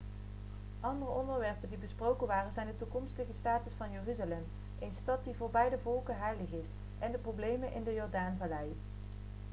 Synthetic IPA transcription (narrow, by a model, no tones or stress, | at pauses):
ʔɑndərəɔndəɹʋɛɹpəndibəsprowkənʋaːrənzɛjndətukɔmstəχəstaːtəsfɑnjøryzalɛm | ʔejnstɑt̚divʊːɹbɛjdəvɔlˠkənɦɛjləχɪs | ʔɛndəprowblejmənʔɪ̰ndəjɔɹdaːnvalɛj